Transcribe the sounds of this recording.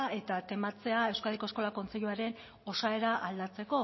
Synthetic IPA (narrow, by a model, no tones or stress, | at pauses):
e̞t̪at̪e̞mat͡se̞ae̞wskaðiko̞eko̞lako̞nt͡se̞ʎuaɾen | o̞sae̞ɾaʔald̪at͡se̞ko̞